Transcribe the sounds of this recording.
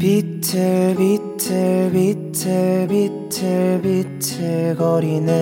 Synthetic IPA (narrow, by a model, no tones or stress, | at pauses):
pitʰɯɭbitʰɯɭbitʰɯbitʰɯɭbitʰɯɭɡʌɾinɯ